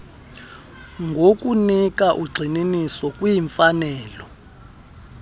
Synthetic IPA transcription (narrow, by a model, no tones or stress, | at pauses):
ŋɡʱok̬ʼunik̬ʼaʔuɡ͡ǀʱininisɔkʼwijiɱfanɛːlɔ